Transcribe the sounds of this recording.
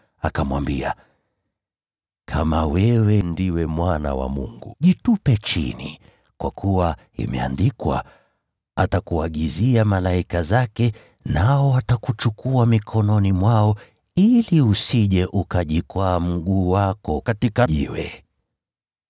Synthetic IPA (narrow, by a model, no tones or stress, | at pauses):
a̰kamwambia | kʰamawɛwɛndiwɛmwana̰wa̰mṵŋɡṵʄitupɛt͡ʃḭnḭ | kwa̰kʰuwa | ḭmɛ̰a̰ndikwa̰ | atakuaɠiziamalaikazakɛ | naɔwatakut͡ʃukʰuamikʰɔnɔnimwaɔ | iliusiʄɛʔukaʄikwaːm̩ɠuːwakɔkatikaʄiwɛ̰